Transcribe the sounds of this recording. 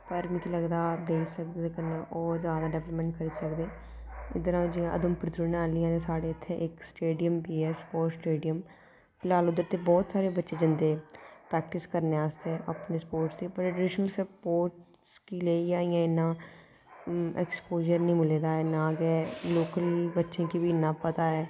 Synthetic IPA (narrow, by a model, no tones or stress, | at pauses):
pəɾmikʰiləɡd̪aːd̪eːisək̚d̪eeːkənaʔɔːɾzjaːd̪aːɖɛːʋləpmɛ̃ɳʈ̚kəɾiːsəkd̪eː | ɪ̰d̪əɾãːd͡ʒiãʔə̰d̪əmpɾɪt̪ɾunaːlijãːt̪eːsaːɽeːɪt̪ʰːeːʔɪksʈeːɖijəmbiːɛːsə̥poːɾʈsʈeːɖijəm | pʰɪlaːlʊd̪ːəɾt̪eːbɔːt̪saːɾeːbətːʃeːd͡ʒɪnd̪eːpɾɛːk̚ʈɪskəɾneːaːst̪eɛːʔapneːsəpoːɾʈsd̪iːpəɾɖɪʃnəlsəpoːɾʈ | skiːleːiːaːijãːɪnːãː | ɛ̰ːkspoːd͡ʒəɾnĩːmɪleːd̪aːɛːnãːɡɛːloːkəlbətːʃẽːkiːbiːnːãːpət̪aːɛː